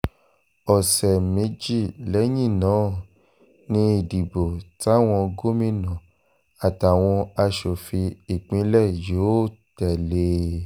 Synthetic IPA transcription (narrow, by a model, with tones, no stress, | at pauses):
ɔ˨sɛ˨mẽ˨˦d͡ʒi˦˨lɛ˨˦jĩ˦˨nãː˨˦˨ | nĩ˧i˨di˨bo˨ta˦˨w̃ɔ̃˧ɡo˦mĩ˦nã˨ | a˨ta˨w̃ɔ̃˧a˧ʃo˨fi˧i˨k͡pĩ˨˧˦lɛ˦˨joː˨˦tɛ˨le˨˧